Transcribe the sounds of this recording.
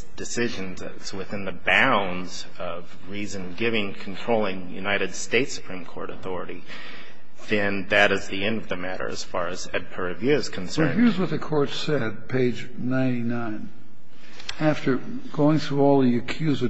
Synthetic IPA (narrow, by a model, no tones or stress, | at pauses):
d̥ɨsɪʒɨ̃n | z̥wɨθɪ̃nðɨbãʊ̃nz | ʌv | ɹizɨ̃nɡɪvɪ̃ŋkʰn̩tʰɹ̥oʊlˠɪ̃ŋjʉ̰naɪɾɨd̥steɪtsɨ̥pʰɹ̥ĩmkʰɔ̰ɹɾɨθɔɹɨɾi | ðɨ̃nðɨɾɨzðiɛ̃ndʌvðɨmæɾə̰˞ɨ̰z̥fɑɹɨz̥ɛ̰d̚pʰə˞ɨvjɪɹz̥kʰn̩sɜ̃˞ɦɪɹzwʌt̪̚ðɨkʰɔɹtsɛd̚pʰeɪd͡ʒ | nãɪ̃ntinãɪ̃n | æftə˞ | ɡ̥oʊɪ̃ŋθɹuɔlˠðiɨkʰj̥ʉzɨ